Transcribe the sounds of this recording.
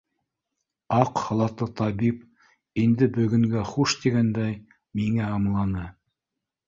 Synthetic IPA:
ɑqhɑlˠɑt̪ɤt̪ʰɑβip̚ | ind̪ɘbɵ̆ɡɵ̆ŋɡæχuʃt̪iɡænd̪æj | miŋæɑmlˠɑnɤ

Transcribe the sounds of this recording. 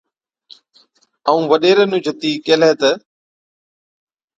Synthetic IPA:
aũːʋəɗeːɾənũːd͡ʒʱət̪iːkeːlɛːt̪ə

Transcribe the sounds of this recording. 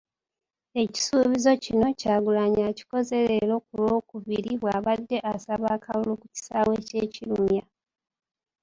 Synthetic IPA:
e̞ci̥suːβizo̞cino̞caːɡulaɲaci̥ko̞ze̞lelo̞kulo̞ːkuviɾiβwaːβadːe̞ʔasaβaːkalulukuci̥saːwe̞ːce̞ːcilumja

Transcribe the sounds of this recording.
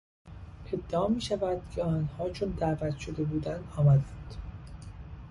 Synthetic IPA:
ʔe̞d̪ːeɒːmiːʃævæd̪̥cʰeɒːnhɒːt͡ʃʰond̪æːvæt̪ʰʃo̞d̪e̞buːd̪ænd̪ɒːmæd̪ænd̪̥

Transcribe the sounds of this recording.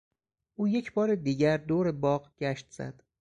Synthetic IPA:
ʔuːje̞cʰbɒːɾed̪iːɟæɾd̪oːɾe̞bɒːɢɡ̥æʃt̪z̥æ̰d̪̥

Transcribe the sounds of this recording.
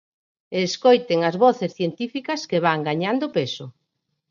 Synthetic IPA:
eskojt̪eŋɐzβɔθesθjent̪ifikɐskeβaŋɡaɲand̪opesʊ

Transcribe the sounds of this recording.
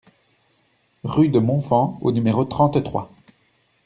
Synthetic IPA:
ʁyd̪əmɔ̃fɑ̃o̰nymeʁot̪χɑ̃t̪t̪χwa̰

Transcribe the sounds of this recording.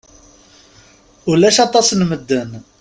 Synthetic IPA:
ulæʃɑt̪ˤɑsnməd̪ːən

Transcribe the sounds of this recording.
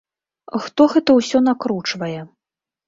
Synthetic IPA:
xt̪ɔɣɛt̪ɐwsʲɔn̪akɾut͡ʂvɐjɛ

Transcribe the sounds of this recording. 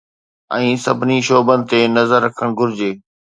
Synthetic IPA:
ɛ̃ːsɐbʱɪniʃoːbənɪ̆t̪enɐzəɾːɐkʰəɽ̃ɡʱʊɾɪd͡ʑeː

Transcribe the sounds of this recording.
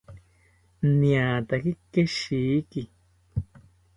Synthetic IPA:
nĩãːt̪akikːeʃiːki

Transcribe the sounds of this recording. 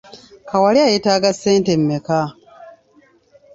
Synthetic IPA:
kawaliajetaɡasːeːntemːeka

